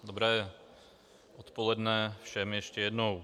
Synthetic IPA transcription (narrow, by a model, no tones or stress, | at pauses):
d̪obɾɛːjɛ | ʔot̪polɛdnɛfʃɛmjɛʃcɛjɛdnow